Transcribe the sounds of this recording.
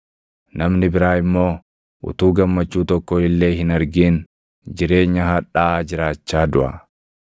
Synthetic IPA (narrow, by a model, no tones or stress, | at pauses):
nɐmnɪbɪɾaːɪmːo̞ː | ʔʊ̰t̪uːɡɐmːɐt͡ʃːuːt̪ɔkːɔɪlːe̞ːɦɪnɐɾɡiːn | d͡ʒɪɾe̞ːɲːɐɦɐᶑaːd͡ʒɪɾaːt͡ʃːaːd̪ʊʔɐ̰